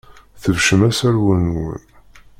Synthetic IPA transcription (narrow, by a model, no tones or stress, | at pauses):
θəvʃəmæsæɾwənwə̰n